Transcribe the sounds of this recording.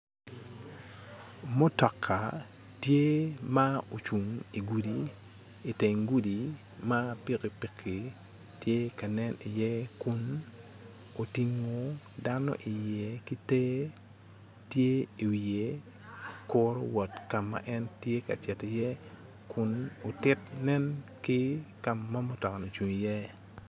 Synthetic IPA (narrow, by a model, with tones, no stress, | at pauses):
mo˦tɔ˨kʰːa˨ | tje˦ma˦o˨t͡ʃu˨ŋi˨ɡu˨di | i˨te˨ŋɡu˦di˨ | ma˦pi˦ki˨pi˦kʰi˨ | tje˦ka˨nɛ˦ni˨jɛ˦kʊ˦n | o˨ti˨ŋo˨ | da˦nɔ̰˦ʔi˨jɛ˨ki˦te˦ | tje˦i˨we˨ | kɔɾo̰˦wɔ˨tka˨mːa̰ʔɛ˦ntje˦ka̰˨t͡ʃɛ˨ti˨jɛ˦ | kʰʊ˦no˨tɪ˦tnɛ˦nkɪ˦ka˨mːa˦mo˦tɔ˨ka˨no˨t͡ʃu˨ŋijɛ˦